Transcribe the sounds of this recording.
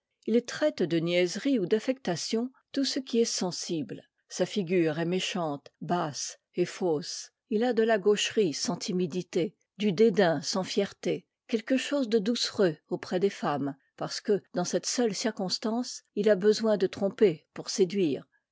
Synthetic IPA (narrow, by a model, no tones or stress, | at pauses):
ilɛt̪χɛt̪d̪ənjɛzʁiud̪afɛk̚t̪asjɔ̃t̪usəkʲiɛsɑ̃sibl | safiɡʲyʁɛmeʃɑ̃t̪bas | efos | ilad̪əlaɡoʃʁisɑ̃t̪ʰimid̪it̪e | d̪yd̪ed̪ɛ̃sɑ̃fjɛʁt̪e | kʲɛlkəʃozd̪əd̪usʁøopχɛd̪efam | paʁsə̥kəd̪ɑ̃sɛt̪sœlsiʁkɔ̃st̪ɑ̃silabəzwɛ̃d̪ət̪χɔ̃pepuʁsed̪ɥiːʁ